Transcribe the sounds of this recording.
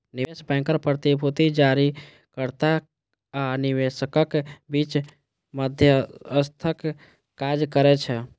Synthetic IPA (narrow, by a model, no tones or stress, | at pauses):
niesbɛ̃ŋkəɾpɾət̪ibʱut̪id͡ʒaɾi | kəɾt̪a | aniʋesəkəkbit͡ʃ | məd̪ʱjəəst̪ʰəkː | ad͡ʒkəɾɛt͡ʃʰɛ